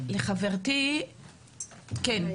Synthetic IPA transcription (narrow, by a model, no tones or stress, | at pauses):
leχaveʁti | ken